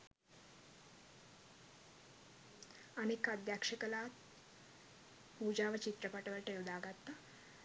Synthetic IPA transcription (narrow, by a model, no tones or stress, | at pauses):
ənekad̪jakʂəkəlat̪ | ud͡ʑaʋət͡ɕit̪ɾəpəʈəʋəɾʈeʋd̪aɡat̪ːa